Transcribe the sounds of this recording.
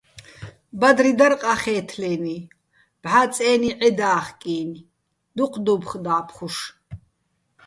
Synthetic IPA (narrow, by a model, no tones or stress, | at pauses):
bad̪rid̪arqʼaχɛːt̪ʰlɛːni | b̥ʕat͡sʼɛːniʕɛd̪aːχkʼiːn | d̪uqʰʼd̪ubχd̪aːpʰχuʃ